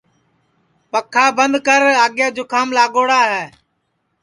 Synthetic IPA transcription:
pəkʰːaːbənd̪kəɾaːɠjaːd͡ʒoːkʰaːmlaːɠoːɽaːɦɛː

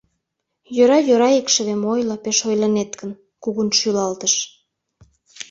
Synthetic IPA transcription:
jøɾɑjøɾɑekʃə̆βemojlɤpeʃojlɑnet̪kən | kuɣunʃylɑlt̪əʃ

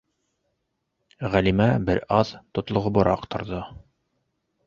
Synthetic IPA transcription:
ʁælimæbɘɾɑðt̪ŏt̪lˠŏʁŏbɤ̆ɾʔɑ̰qt̪ʰɤ̆ɾðɤ

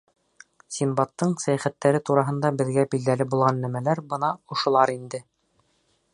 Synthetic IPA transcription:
sʲimbɑt̪ːɤɴsæjæχæt̪ːæɾɘt̪uɾɑɦɤ̆nd̪ɑbɘ̆ðɡæbild̪ælɘbulˠʁɑnːæmælæɾbɤnɑŏʃŏlˠɑɾind̪ɘ

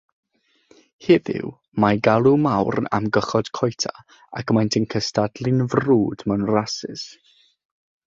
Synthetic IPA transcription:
hɛvɪ̰w | maɡalˠumawrna̰mɡəχɔd̥kʰɔjtʰa̰ | a̰kmajntʰənkʰəstadlˠɪnvruːd̥mɛnrasɪ̰s

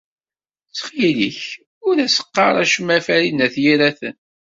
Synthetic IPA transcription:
t͡sːχiliç | ʊɾæsə̥qːɑ̰ɾˤæʃəmæfæɾinæθjiɾæθə̰n

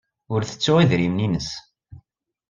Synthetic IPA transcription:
ʊɾθə̥t͡sːʊʁiðɾimninəs

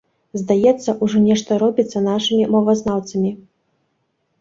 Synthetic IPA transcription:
zd̪ajɛt̪sːɐʔuʐɔnʲɛʂt̪ɐɾɔbʲit̪sːɐnaʂɨmʲimɔvɐznawt̪sɐmʲi

